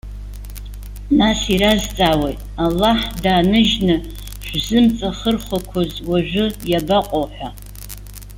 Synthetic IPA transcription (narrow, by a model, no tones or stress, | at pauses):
nasiɾazt͡sʼaːwejtʼalːaħdaːnɨʒnɨ | ʃᶣʷzɨmt͡sʼaχərχʷakʷʰozwaʒᶣʷʊjabaqʼoħʷᶣa